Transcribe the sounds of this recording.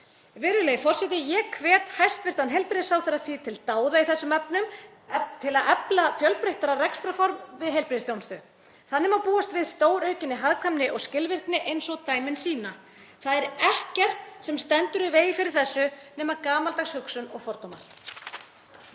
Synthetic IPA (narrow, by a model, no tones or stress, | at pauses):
vɪɾðʏleːjfɔr̥sɛt̪ɪjɛkʰvɛːt̪hajst̪vɪr̥t̪anɦɛjlpɾɪðsawθɛɾaθvit̪ʰɪlt̪aːwðaiθɛsːʏmɛpnʏm | t̪ʰɪlaðɛplafjœlpɾeht̪aɾarɛkst̪ɾafɔɾmvɪðɦejlpɾɪsθjownst̪ʏ | θaðnːɪmapuːast̪vɪðst̪oːwɾœɥcɪnːɪɦaðkʰamnɪʔɔɣscɪlvɪr̥knɪʔejnsɔɣt̪aːjmɪnsiːna | θaðɛɾɛhcɛr̥t̪sɛmst̪ɛnt̪ʏɾɪvɛːjifɪɾɪɾ̥θɛsːʏnɛːmakaːmalt̪aɣshʏksʏnɔɣfɔɾt̪oma̰ɾ̥